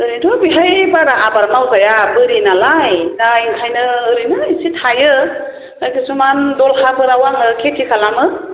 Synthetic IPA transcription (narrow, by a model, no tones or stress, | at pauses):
ɯɾidɔbiɦajbaɾaʔabaɾmawɡajabɯɾinalajdajnʰajnɯːɾinaisitʰajɯ | ajkesumandɔlhabɯɾawaŋɯkʰetʰikʰalamɯ